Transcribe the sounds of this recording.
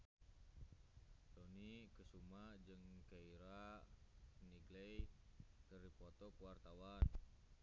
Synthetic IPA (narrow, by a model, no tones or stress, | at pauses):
tɔnikəsumad͡ʒɨŋkaiɾa | niɡlɛjkərdipɔt̪ɔkəwart̪awan